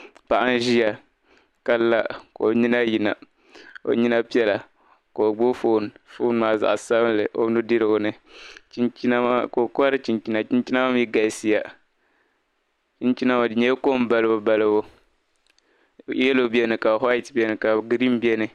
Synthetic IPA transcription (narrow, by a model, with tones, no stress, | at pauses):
pa˨ʔa˦n˦ʒi˦ja˨ | ka˦lːa˦ko˨ɲi˦na˦ji˨na̰˨ | o̰˨ɲi˦na˦pi˦ɛ˦la˨ | ko˨ɡ͡bo˦fo˦˨n˨fo˦n˦maː˨za̰˨ʔsa˦blɨ˨ʔo̰˦nu˦dɨ˦ɾɨ˦ɡʊ˨nɨ˦ | t͡ʃn˦ko˨ka˦ɾɨ˦t͡ʃi˨nt͡ʃi˦na˨t͡ʃi˦nt͡ʃi˦na˦ma˦m˦ji˦ɡa˨lsi˦ja˨ | t͡ʃi˦nt͡ʃi˦na˦˨ɲɛ˦ko˦m˦ba˨lɨ˦bo˦ba˨lɨ˦bo˦ | ɛ˦lo˦bɛ˦nɨ˨ka˨ɦa˦i˦tbɛ˦nɨ˨ka˨ɡi˦ɾi˦m˦bɛ˦nɨ˨